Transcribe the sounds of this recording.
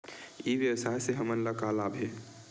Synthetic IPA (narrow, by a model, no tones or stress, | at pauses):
iʋjəwəsaeseɦəmənləkalabʱe